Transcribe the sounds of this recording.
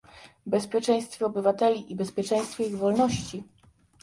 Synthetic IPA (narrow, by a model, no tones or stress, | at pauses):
bɛspʲjɛt͡ʂɛ̃j̃st̪fʲjɛɔbɘvat̪ɛlʲiʔibɛspʲjɛt͡ʂɛ̃j̃st̪fʲɔiɣvɔlnɔɕt͡ɕi